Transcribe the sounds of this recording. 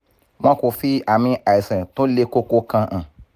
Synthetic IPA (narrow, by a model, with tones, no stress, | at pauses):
mɔ̃˦ko˨fi˦a˨mĩ˧a˨i˨sɛ̃˨to˦le˦ko˦ko˦kã˧ʔã˨